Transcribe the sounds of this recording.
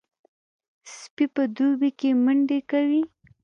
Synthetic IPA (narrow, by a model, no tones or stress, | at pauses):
spipəd̪ubikeməɳɖekawi